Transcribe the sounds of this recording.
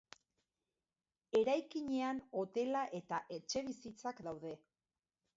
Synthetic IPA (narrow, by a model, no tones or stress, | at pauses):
e̞ɾajkiɲe̞ano̞t̪e̞laʔe̞t̪aʔe̞t͡ʃe̞β̞isit͡sakd̪awðe̞